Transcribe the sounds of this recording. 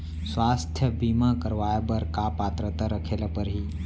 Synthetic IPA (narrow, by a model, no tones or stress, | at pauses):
swaːst̪ʰjəbiːmakəɾʋaːjəbəɾkapaːt̪ɾət̪aɾəkʰeːlapəɾɦiː